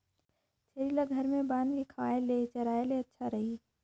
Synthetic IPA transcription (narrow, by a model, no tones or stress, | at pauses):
t͡ʃʰeːɾiːlaɡʱəɾmẽbaːnkekʰaːelet͡ʃəɾaːeleɐtːʃʰaɾəɦiː